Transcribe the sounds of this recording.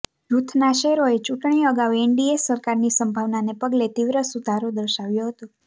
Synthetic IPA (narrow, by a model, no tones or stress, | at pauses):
ɾut̪ʰnaʃɛɾoet͡ʃuʈɳ̃iəɡaʋeɳɖiesəɾkaɾnisəmbʱaʋnanepəɡlet̪iʋɾəsud̪ʱaɾod̪əɾʃaʋjoɦət̪o